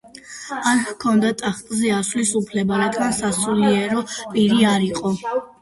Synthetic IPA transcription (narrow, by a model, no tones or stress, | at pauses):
aɾhkʰɔnd̪at̪ʼaχt̪ʼzɛasvlisupʰlɛbaɾad̪ɡansasuliɛɾɔpʼiɾiaɾiqʼɔ